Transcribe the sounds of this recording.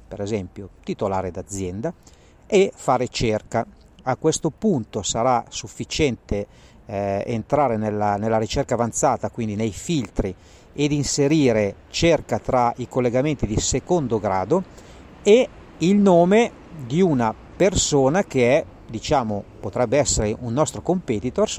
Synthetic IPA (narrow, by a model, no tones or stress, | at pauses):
peɾezɛmpjot̪it̪olaːɾed̪ad̪zːjɛnd̪a | efaːɾet͡ʃerka | akːwest̪opunt̪osaɾasufːit͡ʃɛnt̪e | ḛnt̪ɾaːɾenelːanelːaɾit͡ʃerkavant̪saːt̪akwind̪inejfilt̪ɾi | ed̪inseɾiːɾe | t͡ʃerkat̪ɾaikolːeɡament̪id̪isekond̪oɡɾa̰ːd̪o | e | ilnoːme | d̪iuna | persoːnak̟eɛ | d̪it͡ʃaːmopot̪ɾɛbːeɛsːeɾeʔunːɔst̪ɾokompet̪it̪or